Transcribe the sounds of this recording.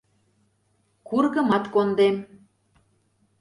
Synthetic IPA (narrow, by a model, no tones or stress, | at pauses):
kurɣə̆mɑt̪kond̪em